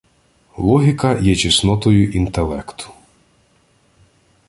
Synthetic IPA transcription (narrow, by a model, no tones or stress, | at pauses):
lˠɔɦʲikɐjɛt͡ʃisnɔt̪ɔjʊʔint̪elˠɛkt̪ʊ̥